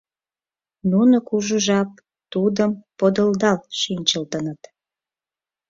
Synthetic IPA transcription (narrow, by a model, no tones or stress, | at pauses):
nunokuʒuʒɑp̚ | t̪ud̪əmpod̪əld̪ɑlʃinʲt͡ɕəlt̪ənət̪